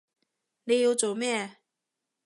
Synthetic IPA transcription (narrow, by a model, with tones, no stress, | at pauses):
ni˨˧˥jo˨˧˥t͡so˨mɛ˥˨